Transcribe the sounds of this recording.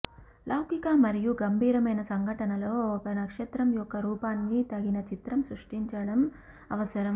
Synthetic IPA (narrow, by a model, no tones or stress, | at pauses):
lʔɐwkikaːmɐɾijuɡɐmbʱiːɾɐmɐjnɐsɐŋɡʱɐʈɐnɐlo̞ːɔkɐnɐkʂɛt̪ɾɐmjɔkːɐɾuːpaːnːit̪ɐɡinɐt͡ʃit̪ɾɐmsɾuʂʈiɲt͡ʃɐɽɐm | ɐʋɐsɐɾɐm